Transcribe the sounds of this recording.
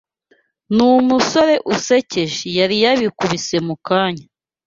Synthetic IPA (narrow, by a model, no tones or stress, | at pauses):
numuso̞ɾe̞ʔusece̞ʒijaɾijaβikuβise̞mukaːɲa